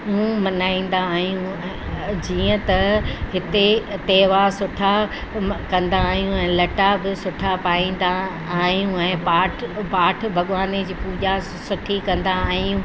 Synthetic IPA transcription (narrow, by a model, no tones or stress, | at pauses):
ũːmɐnaːĩːn̆d̪aːɦijũ | ɛ̃ | d͡ʑiːə̃t̪ɐɦɪt̪et̪eːʋasʊʈʰa | kɐ̃nd̪aːɦijũɛ̃ːlɐʈabɪsʊʈʰapaːĩːn̆d̪aː | ɦijũɛ̃ːpaːʈʰpaːʈʰbʱɐɠʋaːned͡ʑiːpuːd͡ʑa | sʊʈʰikɐ̃nd̪aaːɦijũː